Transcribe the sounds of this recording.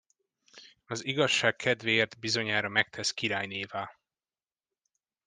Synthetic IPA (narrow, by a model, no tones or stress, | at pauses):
ɒziɡɒʃːaːkkʰːɛd̪veːrt̪bizo̞ɲaːɾɒmɛk̚t̪ʰɛskiɾaːjneːvaː